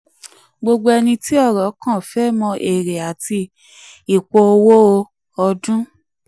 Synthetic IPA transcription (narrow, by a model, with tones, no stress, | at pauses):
ɡ͡bo˧ɡ͡bo˧ɛ˧nĩ˧ti˦ɔ˦˨ɾɔ˨˦kã˦˨fɛ˦mɔ̃˧ʔe˨ɾe˨a˨ti˧ | i˨k͡po˧o˧wo˦o˧ | ɔ˧dũ˦